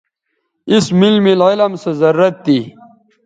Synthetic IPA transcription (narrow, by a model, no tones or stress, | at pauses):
ismilmililɐmsezɐɾuːɐt̪̚ːi